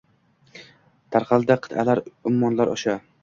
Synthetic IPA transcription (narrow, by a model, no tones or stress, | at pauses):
t̪ʰaɾqʰɑlˠd̪aqʰɨ̥t̪ʰalaɾʊmːɒnlaɾʔɒʃa